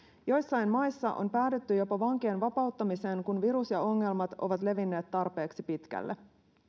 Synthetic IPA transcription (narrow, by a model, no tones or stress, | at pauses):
jo̞jsːɑjmmɑjsːɑʔo̞̰mpæːt̪et̪ːyjo̞pɑʋɑŋke̞ːnʋɑpɑut̪ːɑmise̞ːŋkunʋiɾusjɑo̞ŋːe̞lmɑt̪o̞̰ʋɑt̪le̞ʋinːe̞ːt̪ːɑrpe̞ːksipit̪kæ̰lːḛ